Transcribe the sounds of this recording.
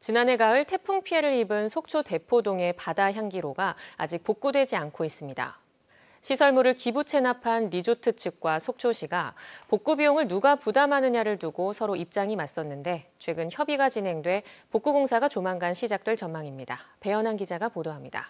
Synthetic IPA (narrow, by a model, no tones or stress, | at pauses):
t͡ɕinane̞ɡaɯɭtʰe̞pʰuŋpʰie̞ɾɯɾibɯnsʰok̚t͡ɕʰote̞pʰodoŋe̞padaçjaŋɡiɾoɡaa̰d͡ʑik̚pok̚k͈udwe̞d͡ʑiankʰois͈ɯmɲida̰ | ɕʰisʰʌɭmuɾɯɭkibut͡ɕʰe̞napʰanɾid͡ʑotʰɯt͡ɕʰɯk̚k͈wasʰok̚t͡ɕʰoɕʰiɡapok͈ubioŋɯɭnuɡapudamanɯɲaɾɯɭtuɡosʰʌɾoip̚t͡ɕ͈aŋimas͈ʌnːɯnde̞t͡ɕʰwe̞ɡɯnçjʌbiɡat͡ɕinɦe̞ŋdwe̞pok͈uɡoŋsʰaɡat͡ɕomaŋɡanɕʰid͡ʑak̚t͈we̞ɭt͡ɕʌmmːaŋimɲida̰pe̞jʌnɦanɡid͡ʑaɡapodoɦamɲida̰